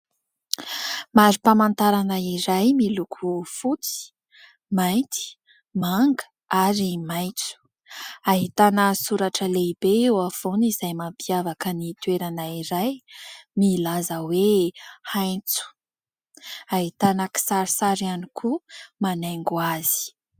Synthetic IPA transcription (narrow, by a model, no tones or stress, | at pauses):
maɾipamant̪aɾanəiɾajmilukʰufut͡si̥ | majnt̪i̥ | maŋɡə̥ | aɾimajnt͡su̥ | aɦit̪anəsuɾaʈ͡ʂəleibeewav̥onizajmampiavakənit̪ueɾanaiɾajmilazəwehajnt͡su̥ | aɦit̪anəki̥saɾisaɾianikʰumanaŋɡuaz̥i̥